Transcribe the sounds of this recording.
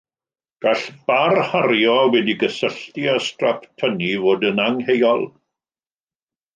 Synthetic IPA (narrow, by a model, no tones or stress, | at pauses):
ɡ̥aɬb̥arhaɾjɔwɛdiɡəsəɬtiastraptʰənivoːdənaŋhejɔlˠ